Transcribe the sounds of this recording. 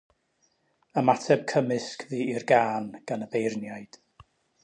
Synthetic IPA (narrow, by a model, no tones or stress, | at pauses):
əmatʰɛb̥̚kʰəmɪskʰviːirɡaːnɡ̥anəbejrnjajd̥